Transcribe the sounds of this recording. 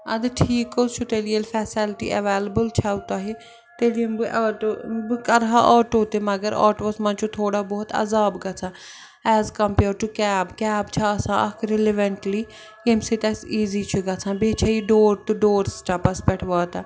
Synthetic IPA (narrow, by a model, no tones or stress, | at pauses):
ɐ̰d̪ʈʰiːkost͡ʃʰʊt̪eːlijəlfʰɛːselʈḭːʔə̰ʋeːləbəlt͡ʃʰaʊt̪aːɦeː | t̪eːlimbʔɔʈobkəɾɦã̰ʔɔːʈoːt̪eməɡəɾɔ̰ːʈʋəsmɐ̃nt͡ʃʰut̪ʰoːɽaːbɔːt̪ɐ̰zaːbɡɐsʰãː | ɛːzkəmpeːɾʈukɛːbkɛːbt͡ʃʰaːəsãːʔɐkʰɾɪlɪʋəɳʈliː | emsit̪ɛːsiːziːt͡ʃʰuɡɐsʰãːbeːt͡ʃʰaːiːɖoːɾt̪uɖoːɾsʈaːpəspɛʈʰʋaːt̪aː